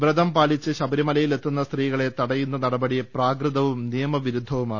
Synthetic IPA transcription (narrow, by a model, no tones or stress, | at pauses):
brɐd̪ɐmpaːlit͡ɕːɨɕɐbɐɾimɐlɐjile̞t̪ːunːɐst̪riːɣɐɭe̞t̪ɐɽɐjunːɐnɐɽɐbɐɽipraːɡrɨðɐʋumnijɐmɐʋiɾud̪ʱːɐʋumaːɳɨ